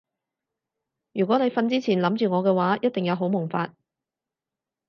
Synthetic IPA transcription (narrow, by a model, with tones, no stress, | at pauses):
jyː˨˩kʷɔː˨˥ne˨˧jfɐ˧nt͡siː˥t͡sʰiː˨˩nlɐ˨˥mt͡ʃyː˨ŋɔː˨˧kɛː˧waː˨˥jɐ˥t̚t̪ɪ˨ŋjɐ˨˧wɦo˨˥wmʊ˨˩ŋfaː˧t̚